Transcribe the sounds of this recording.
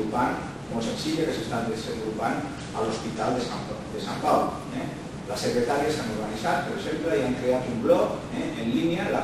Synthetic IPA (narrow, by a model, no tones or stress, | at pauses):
upan | mɔlˠsensiʎəkəsest̪and̪ezəmbulupan | aluspit̪alˠd̪əsad̪əsampaw | ɛ | ləsəkɾət̪aɾiasanuɾɣanizat̪̚pəɾesempləiaŋkɾeat̪umblɔkɛʔənliniəla